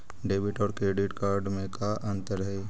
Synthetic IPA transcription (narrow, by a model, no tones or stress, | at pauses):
ɖeːbɪʈɔːɾkɾeːɖɪʈkaːɾɖmẽkaʔɐ̃nt̪əɾɦɛː